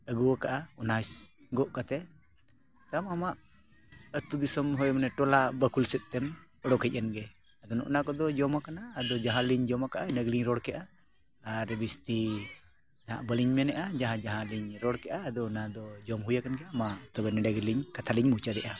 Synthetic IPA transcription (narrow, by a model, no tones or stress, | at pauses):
əɡuwakaʔaunas | ɡɔʔkat̪ɛ | t̪amamaʔ | ət̪ud̪isɔmɦɔjmənɛʈɔlabəkulsɛt̪̚t̪ɛm | ɔɽɔkʰɛc̚anɡɛ | ad̪ɔnɔ̰ʔnakɔd̪ɔd͡ʒɔmakanaːd̪ɔd͡ʒaɦãliɲd͡ʒɔmakaʔanəɡliɲɾɔɽkɛʔaː | ɾbist̪i | na̰ʔbəliɲmɛnɛʔad͡ʒaɦãd͡ʒaɦãliɲɾɔɽkɛʔaːd̪ɔnad̪ɔd͡ʒɔmɦujakanɡɛamat̪ɔbɛnɛɖəɡliɲkat̪ʰaliɲmut͡ʃad̪ɛʔa